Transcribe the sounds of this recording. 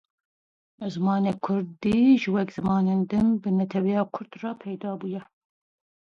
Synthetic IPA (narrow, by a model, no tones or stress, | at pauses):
zɨmɑːneːkʰʊɾd̪iːʒɨwɛkz̥ɨmɑːneːnd̪ɨmbɨnɛt̪ʰɛwɛjɑːkʰʊɾd̪rɑːpʰɛjd̪ɑːbuːjɛ